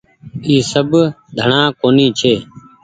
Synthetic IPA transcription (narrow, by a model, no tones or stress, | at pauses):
iːsəbd̪ʱəɳãːkoːniːt͡ʃʰeː